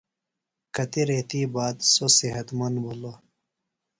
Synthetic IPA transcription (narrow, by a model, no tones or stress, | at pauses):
kɐt̪iɾeːt̪iːbaːd̪sosiɦɐt̪mɐnbulo